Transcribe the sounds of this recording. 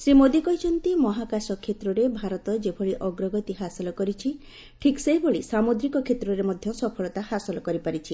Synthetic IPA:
sɾimod̪ikɔɦjt͡ʃʰɔnt̪imɔɦakasɔkʰːet̪ɾɔɾebʱaɾɔt̪ɔd͡ʒepʰɔɭiʔɔɡɾɔɡɔt̪iɦasɔlɔkɔɾit͡ʃʰi | ʈʰikseɦjboɭisamod̪ɾikɔkʰet̪ɾɔɾemɔd̪ʱjɔsɔpʰɔɭɔt̪ahasɔlɔkɔɾipaɾit͡ʃʰi

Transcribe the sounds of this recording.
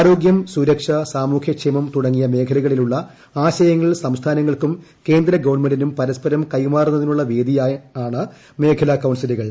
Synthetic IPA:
ɾo̞ːɡjɐmsuɾɐkʂɐsaːmuːkʰjɐkʂemɐmt̪uɽɐŋːijɐme̞ːkʰɐlɐɣɐɭiluɭːɐ | aːɕɐjɐŋːɐɭsɐmst̪ʰaːnɐŋːɐɭkum | ke̞ːnd̪ɾɐɡɐʋɐɳmenɖinumpɐɾɐspɐɾɐmkɐjmaːrunːɐðinuɭːɐʋeːd̪ijaːaːɳɨ | me̞ːkʰɐlɐkɐwnsiluɣɐɭ

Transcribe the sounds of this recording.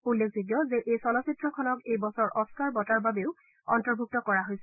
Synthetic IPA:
ulːekʰziɡjɔzeʔejsɔlɔsitɹɔkʰɔnɔkejbɔsɔɹʔɔskaɹbɔtaɹbabeʊ | ɔ̰ntɔɹbʱuk̚tɔkɔɹaɦojsɛ

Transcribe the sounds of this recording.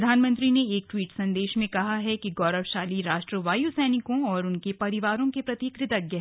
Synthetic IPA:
d̪ʱaːnmɐ̃nt̪ɾineeːk̚ʈwiːʈsɐ̃nd̪eːʃmẽkɐɦaɦɛkiɡɔːɾəʋʃaːliɾaːʃʈɾəʋaːjusɛːnɪkõɔːɾʊnkepɐɾɪʋaːɾõkepɾɐt̪ikɾɪt̪əɡjɐɦ

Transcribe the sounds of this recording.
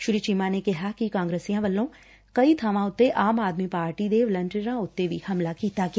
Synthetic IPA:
ʃʊɾit͡ʃimaːnekɪɦakikãːŋɡɾeːsijãːʋəlːõː | kɐit̪ʰəʋãːʊt̪ːeʔaːmaːd̪mipaːɾʈid̪eʋlə̃nʈəɾãʊt̪ːeʋihɐmlakiːt̪aɡɪ

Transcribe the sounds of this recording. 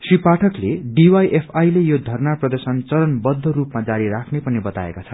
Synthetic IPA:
sripaʈʰʌkleɖiwajʔepʰajlejod̪ʱʌrnaprʌd̪ʌrsʌnt͡sʌɾʌnbʌd̪ʱːʌrupmad͡zaɾiɾakʰnepʌnibʌt̪aḛkat͡sʰʌ

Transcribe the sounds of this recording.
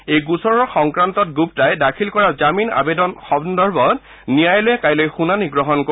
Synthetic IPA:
ejɡusɔɹɔɹxɔŋkɹantɔt̚ɡup̚tajdakʰilkɔɹazamina̰bedɔnxɔbndɔɹbɔt | nijajlojɛkajlojxunaniɡɹɔɦɔnko

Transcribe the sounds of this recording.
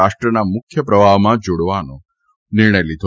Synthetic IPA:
aʃʈɾənamʊkʰjəpɾəbʱaʋmãd͡ʒoɽʋano | nɪɾɳəjlid̪ʱ

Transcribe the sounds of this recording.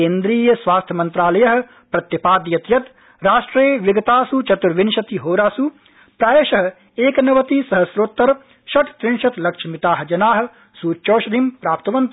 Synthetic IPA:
eːnd̪ɾiːjɐsʋaːst̪ʰjɐmɐ̃nt̪ɾaːlɐjɐɦ̆ | pɾɐt̪jɐpaːd̪jɐt̪jɐt̪ | ɾaːʃʈɾeːʋɪɡɐt̪aːsut͡ʃɐt̪uɾʋɪnʃɐt̪iɦoːɾaːsu | pɾaːjeʃɐɦ̆ | eːkɐnɐʋɐt̪isɐɦɐsɾoːt̪ːɐɾ | ʃɐʈ̪t̪ɾɪnʃɐt̪lɐkʃɐmɪt̪aːɦd͡ʒɐnaːɦɐ̆ | suːt͡ʃoːʃɐd̪ʱimpɾaːpt̪ɐʋɐnt̪

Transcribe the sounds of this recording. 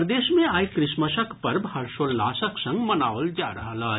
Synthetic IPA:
ɾd̪eːʃmẽaːjkɾɪʃməʃəkʰpɐɾbɦɐɾʃoːlːaːsəksɐ̃ŋɡmənaːʋəld͡ʒaːɾɐɦalaː

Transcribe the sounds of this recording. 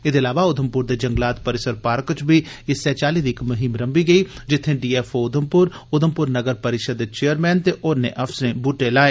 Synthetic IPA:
ɪd̪eɐlaːʋaʊd̪ʱəmpʊɾd̪eːd͡ʒəɐ̃ŋɡlaːt̪pəɾɪsəɾpaːɾkt͡ʃbʱiɪsɛːt͡ʃaːliːd̪iɪkmʊɦɪmɾəmbiɡəiːd͡ʒɪt̪ʰːẽɖiːɛːfʰoʊd̪ʱəmpʊɾ | ʊd̪ʱəmpʊɾnəɡəɾpəɾɪʃəd̪t͡ʃejəɾmɛːnt̪eʔʊnḛ̃ʔɐfʰsɾẽːbuʈelaːeː

